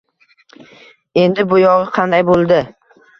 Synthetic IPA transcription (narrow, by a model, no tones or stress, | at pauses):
e̞nd̪ɪbʊjɒʁɨqʰɑnd̪ajbolˠd̪ɪ